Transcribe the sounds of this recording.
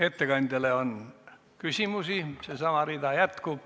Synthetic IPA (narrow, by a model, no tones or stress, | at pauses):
e̞t̪ːe̞kɑnʲd̪̥ʲɑleon | kysʲimusisesɑmɑɾiːd̪̥ɑjæt̪kub̥